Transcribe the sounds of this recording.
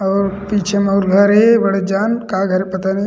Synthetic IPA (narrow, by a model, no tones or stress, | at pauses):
ɔːɾpiːt͡ʃʰemɔːɾɡʱɐɾebɐɽed͡ʒaːnkaːɡʱɐɾepɐt̪ani